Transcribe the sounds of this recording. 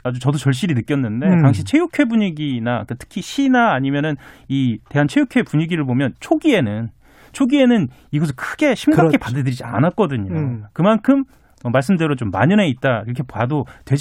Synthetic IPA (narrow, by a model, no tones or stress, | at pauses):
ad͡ʑut͡ɕʌdot͡ɕʌɭɕ̬͈iɾinɯk͈jʌnːɯnde̞taŋɕ̬ʰit͡ɕʰe̞jukʰwe̞buɲiɡinakɯtʰɯ̥kʰiɕʰinaːɲimjʌnɯnite̞ɦant͡ɕʰejukʰwe̞puɲiɡiɾɯɭpomjʌnt͡ɕʰoɡie̞nɯn | t͡ɕʰoɡie̞nɯn | iɡʌs̬ʰɯkʰɯɡ̥e̞ɕʰimɡakʰepadadɯɾid͡ʑia̰nat̚k͈ʌdɯɲokɯmankʰɯm | ʌmaɭs̬͈ɯmdeɾot͡ɕomːa̰ɲɯneit̚t͈aiɾʌkʰe̞pwadotwe̞d͡ʑ